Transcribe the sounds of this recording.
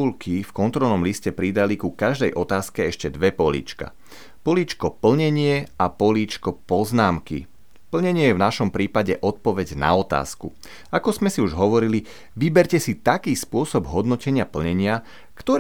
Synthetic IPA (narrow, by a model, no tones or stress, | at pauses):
ulkifkɔnt̪ɾɔlnɔmliscɛpɾid̪alikukaʒd̪ɛjʔɔt̪aːskɛɛʃcɛd̪ʋɛpɔlḭːt͡ʃka̰ | pɔliːt͡ʃkɔpl̩ɲɛɲɪɛapɔliːt͡ʃkɔpɔznaːmkḭ | pl̩ɲɛɲɪɛjɛvnaʃɔmpɾiːpaɟɛʔɔt̪̚pɔʋɛɟna̰ɔt̪a̰ːskṵ | akɔzmɛsiuʒɦɔʋɔɾili | ʋibɛɾcɛsit̪akiːspʊɔsɔbɦɔd̪nɔcɛɲɪapl̩ɲɛɲɪa | kt̪ɔɾ